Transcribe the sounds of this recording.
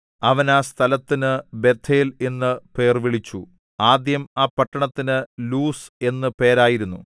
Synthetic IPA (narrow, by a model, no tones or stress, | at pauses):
ɐʋɐnaːst̪ʰɐlɐt̪ːinɨbe̞t̪ʰːeːle̞nːɨpe̞ːrʋiɭit͡ɕːu | aːd̪jɐmaːpɐʈːɐɳɐt̪ːinɨluːse̞nːɨpe̞ːɾaːjiɾunːu